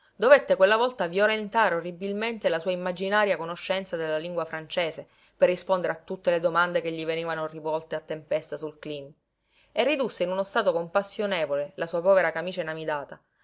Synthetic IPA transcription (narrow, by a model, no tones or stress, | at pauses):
d̪ovet̪ːekwelːavɔlt̪avjolent̪aːɾeorːibilment̪elasuːaimːad͡ʒinaːɾjakonoʃːɛnt̪sad̪elːaliŋɡwafɾant͡ʃeːse | perːispond̪eɾeat̪ːut̪ːeled̪omand̪ekeʎːiveniːvanorivɔlt̪eat̪ːempest̪asulklim | erːid̪usːeinunost̪aːt̪okompasːjoneːvolelasuːapɔːveɾakamiːt͡ʃanamid̪aːt̪a